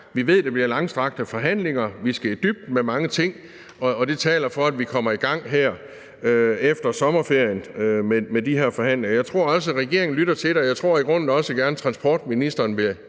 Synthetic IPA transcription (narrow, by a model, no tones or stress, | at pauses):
ʋiʋe̝ð̞̰ˠd̥eb̥liɐlɑ̈ŋsd̥ʁɑ̈ɡ̥̚d̥əfɒ̽ɦæn̰le̝ŋɐʋisɡ̥æd̥yb̥̚d̥memɑ̈ŋət͡sʰe̝ŋ̰ | ɒ̽ːd̥e̝t͡sʰɛ̰ːlɐfɒ̽æd̥ʋikʰɒ̽m̰ɐiɡ̥ɑ̈ŋ̰ɦæɐ̰ | øefd̥ɐsɒ̽mɐfe̝ɐ̰jənømemed̥iɦeɐ̰fɒ̽hæn̰le̝ŋɐjɑ̈ɪt͡sʰʁo̝ɐ̰ɒ̽səʁɛɡ̥e̝̰ɐeŋn̩lyɾɐt͡sʰe̝d̥eɒjɑ̈ɪt͡sʰʁo̝ɐ̰iɡ̥ʁɔ̽n̰n̩ɒ̽səɡ̥æɐnət͡sʰʁɑ̈nsb̥ɒ̰ːd̥minisd̥ɐːnʋe̝